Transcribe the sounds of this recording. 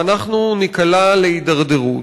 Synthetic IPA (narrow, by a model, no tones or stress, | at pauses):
anaχnunikalaleidaʁdeʁut